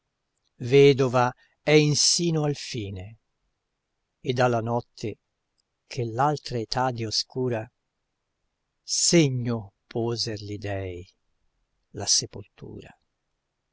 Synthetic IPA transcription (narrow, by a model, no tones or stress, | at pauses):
vɛːd̪ova | ɛinsiːnoalfiːne | ed̪ːalːanɔt̪ʰːe | kʰelːalt̪ɾaet̪ad̪ioskuːɾa | seɲːopʰoːzerlid̪ɛj | lasepolt̪ʰṵːɾa̰